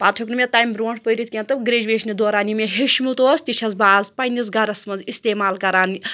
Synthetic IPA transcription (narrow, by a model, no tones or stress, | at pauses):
paːt̪ʰuknumʲet̪ajmbɾoːɳʈpəjɾit̪̚kʲent̪ɐɡɾeːd͡ʒʋeːʃnid̪oːɾaːnimeɦeʃmut̪oːst̪iʃʰɐzbaːzpɐjnis̬ɡɐɾɐsmɐnzist̪eːmaːlkɐɾaːn